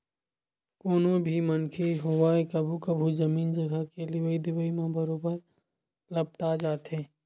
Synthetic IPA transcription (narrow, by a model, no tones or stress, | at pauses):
koːnõbʱimənkʰeɦoːʋaːekɐbʱukəbʱuzɐmiːnd͡ʒɐɡʱəkelɪwəid̪ɪwəimãbɐɾoːbəɾ | lɐb̚ʈad͡ʒaːt̪ɦẽː